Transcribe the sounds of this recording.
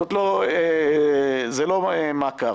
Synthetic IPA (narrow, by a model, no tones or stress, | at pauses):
ot̪loe | zeloemaːka